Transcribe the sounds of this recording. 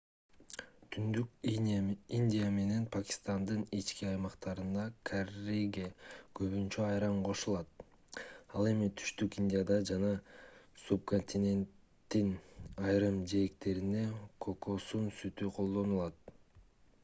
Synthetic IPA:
t̪ʰynd̪yk | inʲd̪ʲijame̞ne̞npʰakʲi̥st̪ɑnd̪ɯnit͡ʃkiɑjmɑqt̪ɑɾɯnd̪ɑkʰareɡʲekøβynt͡ʃøɑjɾɑɴqʰo̞ʃulˠɑt̪̚ | ɑlˠe̞mit̪ʰy̥ʃt̪ykinʲdʲijad̪ɑd͡ʒɑnɑsup̚ko̞nʲt̪ʰʲinʲe̞nt̪ːinɑjɾɯmd͡ʒeekt̪e̞ɾine̞kʰo̞ko̞sunsyt̪yqʰo̞lˠd̪o̞nulˠɑt̪̚

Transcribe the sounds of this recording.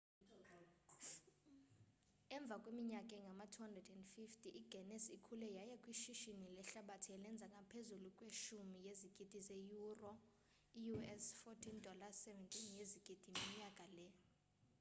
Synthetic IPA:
ɛɱb̪vʱakʼwemiɲakʼɛŋɡʱamatʰuandrɛdɛndfiftʰʼiʔiɡ̥ʱɛnɛsikʰulɛjajɛkʼwiʃiʃinilɛɬaɓatʰiɛlɛnd͡zʱakʼapʰezulukʼweʃumijeziɡ̥ʱʼid̥ʱizejurɔ | ijuɛsfɔtʰindʱɔlasɛvɛntʼinjeziɡ̥ʱʼid̥ʼʱimiɲakʼalɛ

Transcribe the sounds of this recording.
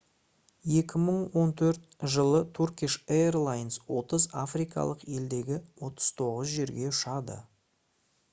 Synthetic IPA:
je̞kʲɪməɴwo̞nt̪ʰɵɾt̪ʒəlˠət̪ʰurkʲiʃeerlˠajnswo̞t̪əzafrijkɑ̰lˠəqe̞ld̪e̞ɡʲɪwo̞t̪əz̥t̪ʰo̞ʁəzʒe̞ɾɡʲe̞ʊʃɑd̪ə̰

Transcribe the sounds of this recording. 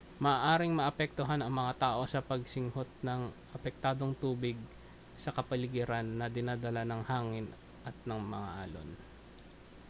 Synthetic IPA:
mɐʔːʔaːɾɪŋmɐʔɐpɛk̚t̪oɦanɐŋmɐŋat̪aːʔo̞sɐpɐɡ̚sɪŋhot̪̚nɐŋʔɐpɛk̚t̪aːd̪o̞ŋt̪uːbɪɡ̚ | sɐkɐpɐlɪɡiɾanːɐd̪ɪnaːd̪ɐlanɐŋhaːŋɪn | ʔɐt̪̚nɐŋmɐŋa̰ʔa̰ːlo̰n

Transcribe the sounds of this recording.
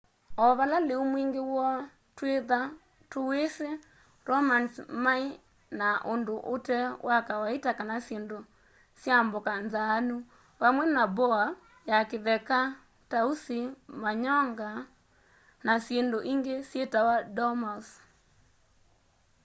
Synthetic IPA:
ɔβalaleomwiŋɡewɔ | tweða | towese | ɾɔmansmai | naʔondoʔotɛwakawaetakanasjendo | sjambokanzaːnu | βamwɛnabɔa | jakeðɛka | tausimaɲɔŋɡa | nasjendoʔiŋɡesjetawadɔmas

